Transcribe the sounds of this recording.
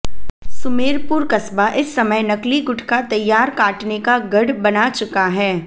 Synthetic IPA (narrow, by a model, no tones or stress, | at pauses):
sʊmeːɾpʊɾkɐsbaʔɪsːɐməjnɐkliɡʊʈʰkat̪ɐjːaːɾkaːʈnekaɡɐɽbɐnat͡ʃʊkaɦɛː